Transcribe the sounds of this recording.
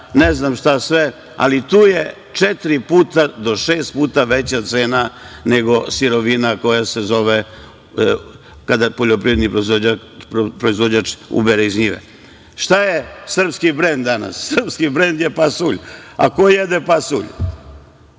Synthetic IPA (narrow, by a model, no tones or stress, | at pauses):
neznamʃt̪asʋe | a̰lit̪uːje | t͡ʃet̪iɾipuːt̪ad̪o̞ʃeːst̪̚puːt̪aʋet͡ɕat̪seːnaneɡo̞siɾo̞ʋinako̞jasezo̞ʋe | kad̪apoʎopɾiʋɾed̪nipɾoza | pɾoizʋod͡ʑat͡ʃṵbeɾeizɲiʋḛ | ʃt̪ajesr̩pskibɾend̪d̪ːana̰sːr̩pskibɾend̪jepasuʎa̰kojed̪epasuʎ